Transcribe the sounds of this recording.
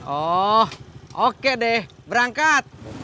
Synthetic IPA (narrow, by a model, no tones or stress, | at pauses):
ɔhokɛʔdɛhbəɾaŋkat̪̚